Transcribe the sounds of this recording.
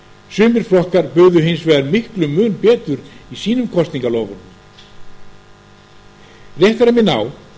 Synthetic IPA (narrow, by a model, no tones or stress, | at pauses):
sʏːmɪɾ̥fɾɔhkaɾpʏɣðʏɦɪnsvɛːðaɾmɪhklʏmʏːnpɛːt̪ʏɾisiːnʏmkʰɔst̪niŋkaloːwvʏm | rjejht̪aɾamjɛna̰w